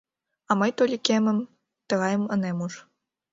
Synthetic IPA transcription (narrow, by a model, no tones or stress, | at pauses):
ɑmɤjt̪olʲikʲemɘ̆m | t̪ɤ̆ɣɑjɤ̆mɤ̆nemuʂ